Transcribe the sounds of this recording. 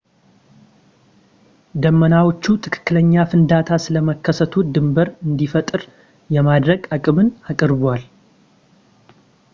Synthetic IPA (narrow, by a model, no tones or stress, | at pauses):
d̪əmːənawo̞t͡ʃːut̪ʰɨkʰɨ̥kːɨləɲːafɨnd̪at̪ʰasɨləməkʰːəsət̪ʰud̪ɨmbəɾɨnd̪ifət̪ʼɨɾ | jɛmad̪ɾəɡakʼɨmɨnakʼɨɾbwal